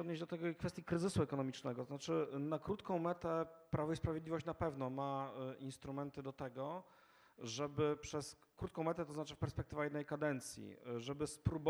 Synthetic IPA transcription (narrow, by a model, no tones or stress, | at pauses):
ɔd̪ɲed͡ʑd̪ɔt̪ɛɡɔikfɛst̪ʲjikɾɘzɘsuɛkɔnɔmʲit͡ʂnɛɡɔt̪ɔznat͡ʂɘnakɾut̪kɔ̃w̃mɛt̪ɛpɾavɔispɾavʲjd̪lʲivɔɕt͡ɕnapɛvnɔmainst̪ɾumɛnt̪ɘd̪ɔt̪ɛɡɔ | ʐɛbɘpʂɛs | kɾut̪̚kɔ̃w̃mɛt̪ɛt̪ɔznat͡ʂɘfpɛɾspɛkt̪ɘvajɛd̪nɛjkad̪ɛnt̪sʲjḭʐɛbɘspɾub